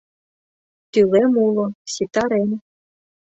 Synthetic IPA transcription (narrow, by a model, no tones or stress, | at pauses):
t̪ylɛmulˠɔsʲit̪aɾɛn